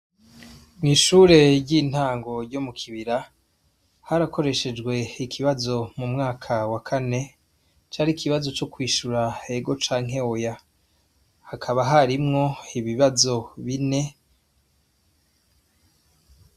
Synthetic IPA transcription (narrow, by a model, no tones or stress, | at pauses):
mŋiːʃuːɾe̞ɾɟiːn̥haːŋɡo̞ɾɟomukʰiβiɾa | haɾakʰo̞ɾe̞ʃe̞d͡ʒɡwe̞ikʰiβazo̞mumŋaːkʰawakʰane̞ | t͡ʃaːɾikiβazo̞t͡ʃo̞kwiːʃuɾae̞ɡo̞t͡ʃaːŋ̥ɦe̞oja | hakʰaβaɦaɾimŋo̞iβiβazo̞βine̞